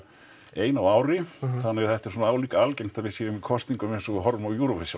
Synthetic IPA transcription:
eːjnawaːwɾɪθanːɪθɛht̪ɛ̥ɾsɔːnaaːwliːkaalcejŋ̥n̥t̪aɾvɪsjeːɾʏmikʰɔst̪niŋkʏmɪnsɔɣɪɦɔɾmawjuːɾɔvɛsja

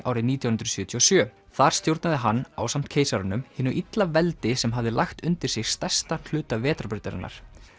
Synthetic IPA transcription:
ʔa̰wɾɪniːt̪jawhʏnd̪ɾʏ̥sjœːt̪ʰiɔsjœː | θaɾ̥st̪jowɾt̪naðɪɦanːa̰wsam̥t̪̚kʰeːjsaɾʏnʏmhɪːnːʏʔit̪lavɛlt̪ɪsɛmɦavðɪlʔaxt̪ʏnt̪ɪɾ̥sɪɣst̪ɛr̥st̪ḁl̥ʏːt̪avɛːt̪ɾapʏɾt̪aɾɪ̰nːʔa̰ɾ̥

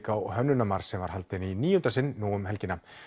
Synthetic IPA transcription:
kawhœnːʏnːamaɾ̥sːɛmva̰ɾhalt̪ɪniniːjʏnt̪asɪnːuːʏmɦɛlcɪna

